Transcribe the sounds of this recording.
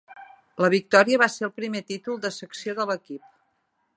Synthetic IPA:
ləβik̚t̪ɔɾiəβaseɾəlˠpɾimet̪it̪ulˠd̪əsəksioðələkip̚

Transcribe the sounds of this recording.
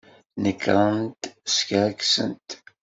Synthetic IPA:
nəkʰːɾˤənt̪skaɾksə̰nt̪

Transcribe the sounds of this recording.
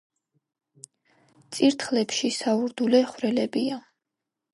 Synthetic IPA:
t̪sʼiɾt̪ʰχlɛpʃisauɾd̪ulɛχwɾɛlɛbia

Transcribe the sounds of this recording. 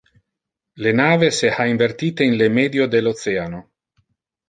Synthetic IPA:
lenaːveseaiɱvert̪iːt̪einlemɛːd̪jod̪elːot̪sɛano

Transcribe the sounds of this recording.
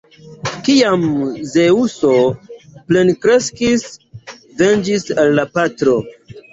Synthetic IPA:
kiamze̞usople̞nkɾe̞skis | vend͡ʒisalːapatɾo̞

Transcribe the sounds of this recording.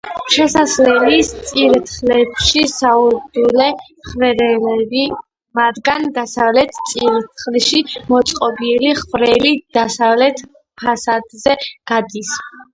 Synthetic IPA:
ʃɛsaslɛlist̪sʼiɾt̪ʰχlɛbʃisauɾd̪ulɛ | χvɛɾɛlɛbi | mad̪ɡand̪asavlɛt̪ʰt̪sʼiɾt̪ʰχliʃimɔt̪sʼqʼɔbiliχvɾɛlid̪̥asavlɛt̪ʰ | pʰasad̪zɛɡ̥ad̪is

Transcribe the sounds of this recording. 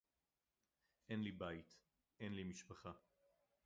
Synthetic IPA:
ʔenlibajit̪ | ʔenlimiʃpaχa

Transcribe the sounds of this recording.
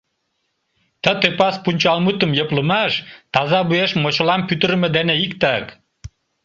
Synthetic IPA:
t̪ə̆t̪øpɑspunʲt͡ɕɑlmut̪ə̆mjɤ̆plˠə̆mɑʃt̪ɑzɑbueʃmot͡ɕŏlˠɑmpʲyt̪ə̆ɾ̆mɘ̆d̪æneikt̪ɑk

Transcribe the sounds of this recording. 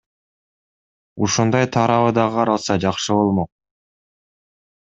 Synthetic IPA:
uʃund̪ɑjt̪ʰɑɾɑβɯd̪ɑʁɯɑɾɑlˠsɑd͡ʒɑqʃɯbo̞lˠmo̞q̚

